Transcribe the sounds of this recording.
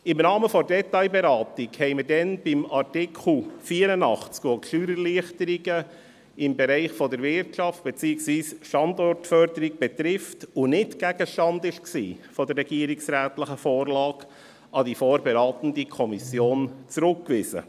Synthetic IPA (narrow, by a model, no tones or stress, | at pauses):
ɪmnɑːməfɔɾdɛt̪ɑɪbɛɾɑːtɪkhɛɪmədɛnb̥ɪmɑrtɪkʰl̩fiːəɾənɑχt͡skokʃyːɾəɾliəχtəɾiɡə | ɪmbɛɾɛɪχfɔdəɾvɪrtʃɑft̚b̥ɛt͡siːɪksʋiːsʃtɑndɔrtfœɾdəɾiɡb̥ɛt̪ɾɪftʊnɪtɡæɡ̥əʃtɑndɪʃksḭːfɔdərːɛɡ̥iːɾɪksɾæːtləχəfoːɾlɑːɡ | ɑdifoːɾbɛɾɑːt̪ən̩dikʰɔmisjoːnt͡sɾʊkːʋɪsə̰